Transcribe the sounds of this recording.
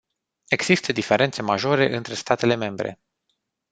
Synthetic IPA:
e̞ɡz̥ist̪əd̪ife̞ɾʔe̞nt̪se̞maʒo̞ɾe̞ʔɨnt̪ɾe̞st̪at̪e̞le̞me̞mbɾe̞̰

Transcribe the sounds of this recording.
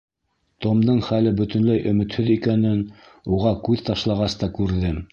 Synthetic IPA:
t̪omd̪ɤɴχælɘbɵ̆t̪ɵ̆nlæjʔɵ̆mɘ̆t̪hɵðikænɘn | uʁɑkʉðt̪ɑʃlˠɑʁɑst̪ɑkʉɾðɘm

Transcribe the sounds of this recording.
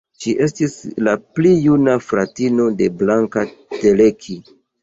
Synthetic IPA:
ʃiʔe̞s̬tislaplijunafɾatino̞de̞blaŋkate̞le̞kʰi

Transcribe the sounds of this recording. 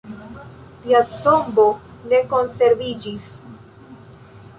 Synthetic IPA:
tiat̪o̞mbo̞ne̞ko̞nse̞ɾvid͡ʒis

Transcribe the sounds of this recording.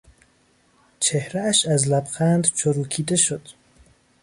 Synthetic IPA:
t͡ʃʰehɾæːʃæzlæbxænd̪t͡ʃʰoɾuːkʰiːd̪eʃod̪̥

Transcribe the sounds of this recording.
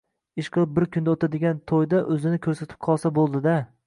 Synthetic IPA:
ɪʃqʰɨlˠɪp̚bɪɾkʲʰʊnd̪aot̪ʰad̪ɪɡʲant̪ʰojd̪aʔɵzɪnɪkʲʰɵɾsat̪ʰɪ̥p̚qʰɒlˠsabolˠd̪ɪd̪a

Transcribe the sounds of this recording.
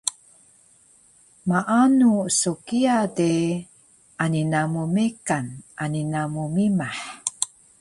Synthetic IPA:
maʔanusukiade | ʔaninamumekanʔaninamumimaħ

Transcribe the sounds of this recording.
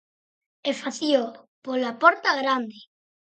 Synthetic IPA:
efaθio | polapoɾt̪aɣɾand̪e

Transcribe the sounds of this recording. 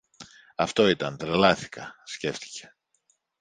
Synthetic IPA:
ɐft̪o̞it̪ɐnt̪ɾelɐθi̥kɐsce̞ft̪i̥ce̞̥

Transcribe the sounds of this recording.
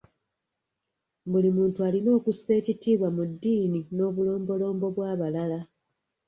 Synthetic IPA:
bulimuːntualino̞ːkusːe̞ːcitiːβwamudːiːnino̞ːβulo̞ːmbo̞lo̞ːmbo̞βwaːβalala

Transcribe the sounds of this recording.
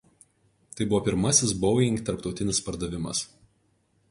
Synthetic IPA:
t̪ɐɪbʊʋɔːpʲɪɾmɐsʲɪsbɔʊjɪŋkt̪ɐɾpt̪ɒʊt̪ʲɪnʲɪspɐɾd̪ɐʋʲɪmɐ̰s

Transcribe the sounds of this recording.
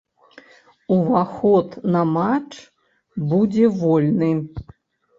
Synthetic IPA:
uvaxɔt̪nɐmat͡ʂ | bud͡zʲɛvɔlʲnɨ

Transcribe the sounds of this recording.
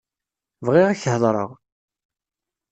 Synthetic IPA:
vʁɪʁæçhlˤɾˤə̰ʁ

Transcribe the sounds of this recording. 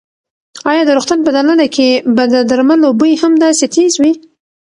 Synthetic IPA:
ɑjɑd̪əɾʊxt̪anpəd̪alanakʰebad̪əd̪aɾmanlobojihamd̪ɑset̪ʰezwi

